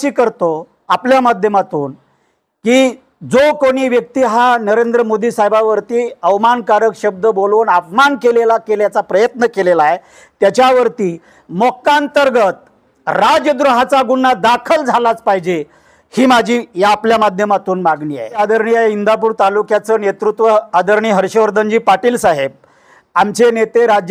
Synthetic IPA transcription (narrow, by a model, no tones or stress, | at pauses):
iːkəɾt̪o | apljamad̪ʱjəmat̪uːn | kiː | d͡zokoɽ̃iːʋjək̚t̪iːɦanəɾend̪ɾəmod̪iːsajbaʋəɾt̪iːəʋmankaɾəkɕəb̚d̪əboluːnapmankelelakeljat͡sapɾəjət̪nəkelelae | t̪jat͡ɕjaʋəɾt̪iː | mɔkːaənt̪əɾɡət̪̚ | ɾad͡ʑəd̪ɾuɦat͡saɡuɳːad̪akʰəld͡zʱalat͡spaɦid͡ʑe | hiːmad͡ʑʱiːjaːpljamad̪ʱjəmat̪uːnmaɡniːa̰ead̪əɾɳiaeind̪ap̬uːɾt̪alukjat͡səːnet̪ɾut̪ʋəad̪əɾɳiːɦəɾɕəʋəɾd̪ʱənd͡ʑiːpaʈiːlsaɦeb̚ | amt͡ɕenet̪eɾad͡ʑ